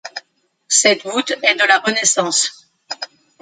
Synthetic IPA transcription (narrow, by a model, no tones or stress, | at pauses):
sɛt̪ut̪ɛd̪əlaʁənɛsɑ̃s